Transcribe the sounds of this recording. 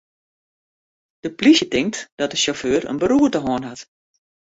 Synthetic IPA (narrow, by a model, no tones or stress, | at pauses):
d̥əplisjətɪŋk̚td̥ɔt̚dəsoføːrə̰nbəɾuətəɦɔənɦat